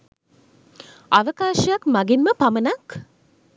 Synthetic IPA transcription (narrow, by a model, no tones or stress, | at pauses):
aʋəkaːʃəjakmaɡinməpamənak